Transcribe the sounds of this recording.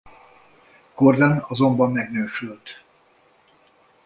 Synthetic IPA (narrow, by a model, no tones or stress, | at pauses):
kord̪ɛnɒzo̞mbɒmːɛɡnøːʃylt̪